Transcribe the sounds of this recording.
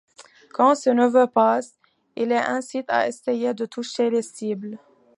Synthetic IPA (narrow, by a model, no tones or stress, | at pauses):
kɑ̃sənəvøpas | ilɛʔɛ̃sit̪a̰esejed̪ət̪uʃelesibl